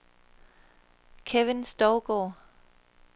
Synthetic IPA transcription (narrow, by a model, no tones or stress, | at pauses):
kʰeʋɪnsd̥ɒʊɡ̥ɔ̰ː